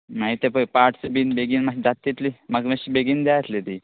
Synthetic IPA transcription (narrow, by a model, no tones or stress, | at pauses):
nait̪epəjpaʈsəbinbeɡiːnmaɕid̪at̪ːit̪limaɡmaɕibeɡind̪jajt̪let̪i